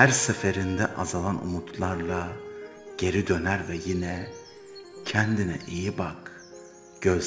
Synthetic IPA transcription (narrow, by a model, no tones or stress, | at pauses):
hæɾsefeɾind̪ɛʔazalˠanṵmut̪ʰlˠaɾlˠa | ɟ̥e̞ɾid̪ø̞næɾvɛjinɛ | cʰɛnd̪inɛ̰ʔijibak | ɟ̥øz